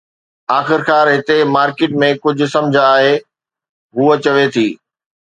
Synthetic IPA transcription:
aːxɪɾkʰaːɾɦɪt̪emaːɾkɪːʈ̚mẽkʊd͡ʑʱʊ̆sɐ̃md͡ʑʱaaːɦe | ɦuːət͡ɕɐʋet̪ʰiː

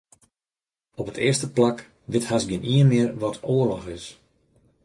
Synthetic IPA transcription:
ɔpətʰɪərstəplak | ʋɪthasɡɪniənmɪərʋɔtʰoərlɔxɪs

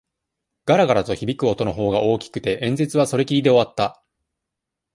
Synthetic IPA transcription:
ɡ̥aɾaɡaɾat̪o̞çibʲikɯ̟o̞t̪o̞no̞ɦo̞ːɡaʔo̞ːkʲi̥kɯ̟t̪e̞ʔẽ̞nd͡ze̞t͡sɨβaso̞ɾe̞kʲiɾʲid̪e̞o̞βat̪ːa

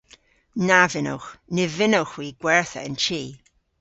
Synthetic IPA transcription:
navɪno̰wxnɪvɪnowxwiːɡ̥wɛɹθə̰ɪ̰nt͡ʃʰiː

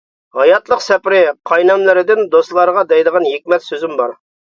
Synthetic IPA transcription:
hɑjɑt̪lˠəqsɛpɾɪqʰɑjnɑmlˠɪɾɪd̪ɪnd̪oslˠɑɾəʁɑd̪ɛjd̪əʁɑnjek̚ʲmɛt̪søzɪmbɑɾ

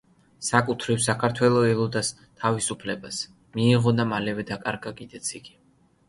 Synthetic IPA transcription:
sakʼut̪ʰɾifsakʰaɾt̪ʰwɛlˠɔɛlˠɔd̪as | t̪ʰavisupʰlɛbas | miːʁɔnamalɛvɛd̪akʼaɾɡakʼid̪̥ɛt̪sʰiɡ̥i̥

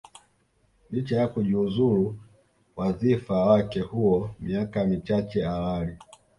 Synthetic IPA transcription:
lit͡ʃajakuʄiuzulu | wazifawakɛhuɔmiakamit͡ʃat͡ʃɛawali

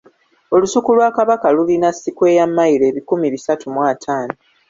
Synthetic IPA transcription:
o̞lusukulwaːkaβakalulinasːikwe̞ːjamːajiɾe̞ːβikumiβisatumwaːtʰaːno

